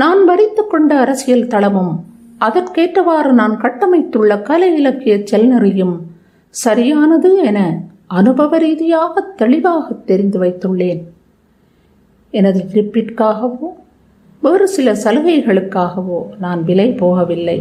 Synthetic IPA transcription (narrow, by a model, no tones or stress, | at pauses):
naːnʋɐɾɪt̪ːɯkːɔɳɖɐːɾɐsɪjɐlt̪ɐɭɐmɯm | ʔɐðɐrkeːʈːɐʋaːɾɯnaːnkɐʈːɐmɐɪt̪ːɯɭːɐkɐlɐjɪlɐkːɪjɐt͡ʃːɛlnɐɾɪjɯm | sɐɾɪjaːnɐðɯɛnɐ | ɐnɯbɐʋɐɾiːðɪjaːɣɐt̪ːɛɭɪʋaːɣɐt̪ːɛɾɪnd̪ɯʋɐɪt̪ːɯɭːeːn | ɛnɐðɯɪɾɪpːɪʈkaːɣɐʋoː | ʋeːɾɯsɪlɐsɐlɯɣɐɪɣɐɭɯkːaːɣɐʋoːnaːnʋɪlɐɪpoːɣɐʋɪlːɐɪ